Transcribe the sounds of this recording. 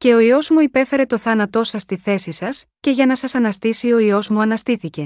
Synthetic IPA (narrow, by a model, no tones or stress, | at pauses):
ce̞o̞io̞zmuipe̞fe̞ɾe̞t̪o̞θɐnɐt̪o̞sɐst̪iθe̞sisɐsce̞ʝɐnɐsɐsɐnɐst̪isio̞io̞zmuɐnɐst̪iθice̞